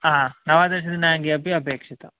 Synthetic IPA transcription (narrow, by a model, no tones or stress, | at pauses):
aːnɐʋaːd̪ɐɾɕ̬ɐd̪inaːŋɡiɐbiɐbeːkʂit̪ɐ